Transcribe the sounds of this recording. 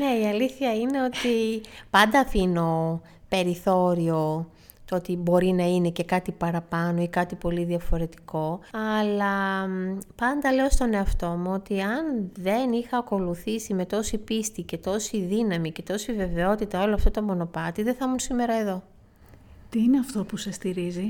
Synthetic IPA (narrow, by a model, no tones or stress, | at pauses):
ne̞iɐliθçɐine̞o̞t̪ipɐnd̪ɐfino̞ | pe̞ɾiθo̞ɾio̞ | t̪oot̪ibo̞ɾinɐine̞ce̞kɐt̪ipɐɾɐpɐno̞ikɐt̪ipo̞liðiɐfo̞ɾe̞t̪i̥ko̞ɐlɐ | pɐnd̪ɐle̞ost̪o̞ne̞ɐft̪o̞muo̞t̪iɐnðe̞nixɐːko̞luθisime̞t̪o̞sipist̪ice̞t̪o̞siðinɐmice̞t̪o̞sive̞ve̞o̞t̪it̪ɐo̞loɐft̪o̞t̪o̞mo̞no̞pɐt̪iðe̞θɐmunsime̞ɾɐe̞ðo̞ | t̪iineɐft̪o̞pusest̪iɾizi